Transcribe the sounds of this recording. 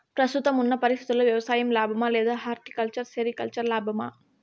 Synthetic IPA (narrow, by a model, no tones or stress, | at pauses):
pɾɐst̪ʊt̪ːɐmʊnːɐpɐɾɪsɐt̪ːɯlːɐʋjɐʋɐsaːjɐmlaːbʱɐmaːleːðɯɦaːɾʈ̪i̥kɐlt͡ʃɐɾsɛɾikɐlt͡ʃɐɾlaːbʱɐma̰ː